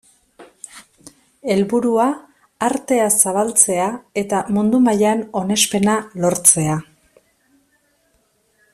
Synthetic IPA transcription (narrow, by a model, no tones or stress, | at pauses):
e̞lβuɾuaː | ɾt̪e̞asaβalt͡se̞ae̞t̪amund̪umajaeno̞ne̞spe̞nalo̞ɾt͡se̞a